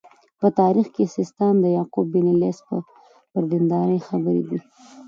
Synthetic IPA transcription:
pət̪ɑɾixkesɪst̪ɑnd̪əjɑqubːinilespə | pəɾd̪ind̪ɑɾəjxabəɾḛd̪i

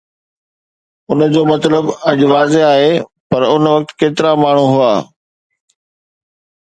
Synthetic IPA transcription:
ʊnəd͡ʑoːmɐt̪ləbɐʄʊʋaːzeaːɦeː | pɐɾʊnʋɐk̚t̪keːt̪ɪɾamaːɳ̤uɦʊaː

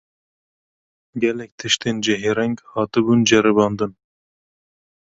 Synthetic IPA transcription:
ɡɛlɛk̚t̪ʰɨʃt̪end͡ʒɛɦeɾɛŋɡhɑːt̪ɨbund͡ʒɛɾɨbɑːnd̪ɨn

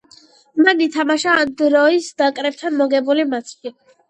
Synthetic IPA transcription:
manit̪ʰamaʃaːnd̪ɾɔisd̪akʼɾɛp̚t̪ʰanmɔɡɛbulimat̪sʰi

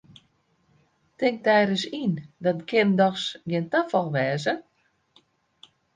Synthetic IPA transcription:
tɪŋk̚tɛːɾəsindɔt̚kʰɪrndɔxsɡɪntafɔlˠʋɛːzə

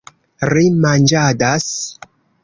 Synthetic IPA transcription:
ɾimand͡ʒadas

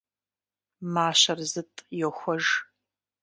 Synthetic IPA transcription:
maːɕɐrzɨtʼjɛxʷɔʒ

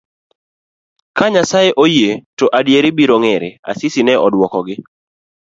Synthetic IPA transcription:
kaɲasajeʔojetoʔadjeɾɪbiɾoŋeɾɪa̰sɪsinɛʔɔdwɔkɔɡɪ

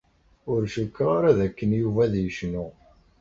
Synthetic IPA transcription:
ʊɾʃəkːɾˤaɾaðækːənjuvæðjəʃnu

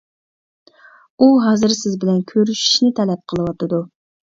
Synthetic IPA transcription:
uɦɑːzɨɾsɪzbɪlɛnkʲʰøɾyʃi̥ʃnɪt̪ʰɛlɛp̚qʰəlˠɨwɑt̪ɨd̪u

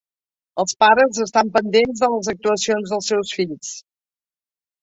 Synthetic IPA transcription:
əlˠspaɾəzəst̪ampənd̪enzðələzək̚t̪uəsionzðəlˠsɛwsfiʎs

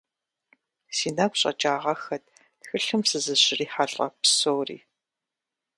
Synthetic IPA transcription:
siːnakʷɕʼɐ̰t͡ʃʼaːʁɐxɐt̚ʰ | txɨɬɨmsɨzɨɕɪriːħaɬʼɐ̰psoːrḭː

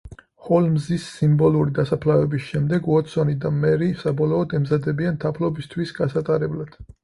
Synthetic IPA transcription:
χɔlmzisːimbɔluɾid̪asapʰlavɛbisʃɛmd̪ɛɡwɔt̪sɔnid̪amɛɾisabɔlɔɔd̪ɛmzad̪ɛbianmt̪ʰapʰlɔbist̪ʰwisɡasat̪ʼaɾɛblad̪̥

